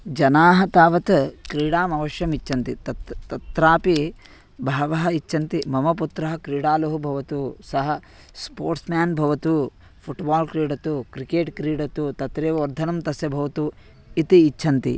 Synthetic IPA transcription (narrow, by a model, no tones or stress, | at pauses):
d͡ʒɐnaːɦɐt̪aːʋɐt̪kɾiːɽaːmɐʋɐʃjɐmit͡ʃʃʰɐnt̪it̪ɐt̪ɐt̪ɾaːpi | bʱaːʋɐɦɐit͡ʃʰːɐnt̪imɐmɐput̪ɾɐɦɐkɾiːɽaːlɐɦubʱɐʋɐt̪usɐɦɐ | spoːɾʈsmaːnbʱɐʋɐt̪u | pʰuʈbaːlkɾiːɽɐt̪ukɾikeːʈkɾiːɽɐt̪ut̪ɐt̪ɾeːʋɐʋɐɾd̪ʱɐnɐmt̪ɐsjɐbʱɐʋɐt̪u | it̪iːt͡ʃːʃʰɐnt̪ḭ